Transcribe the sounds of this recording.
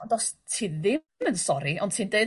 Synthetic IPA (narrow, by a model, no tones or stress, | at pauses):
dɔstʰiːðɪ | mənsɔɾiʔɔnd̥tʰiːnde